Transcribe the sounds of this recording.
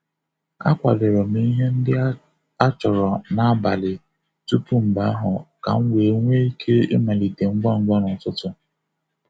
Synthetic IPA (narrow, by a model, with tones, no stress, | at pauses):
a̰˦kʷa̰˨le˨ɾɔ˨mi˦ɦe˦n̩˦dɪ˦ | a˦t͡ʃɔ˨ɾɔ˨na˨a˦ba˨lɪ˨ | tu˦pu˦m̩˨ba˦a˦ɦʊ˨ka̰˨ŋ̩˦wʷe˨˦ŋʷe˦i˦kʰe˦ɪ̰˦ma˨li˨de˨ŋ͡m̩˦ɡ͡ba˦˨ŋ͡m̩˦ɡ͡bɔ˦nʊ˨n˨tʊ˦tʊ˨